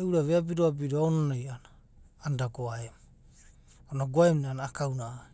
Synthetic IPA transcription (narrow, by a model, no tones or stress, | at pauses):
uɾaβeabiɾoabiɾoaonanajanaː | ndaɡoaem | onaɡoaemneanaːkawnaa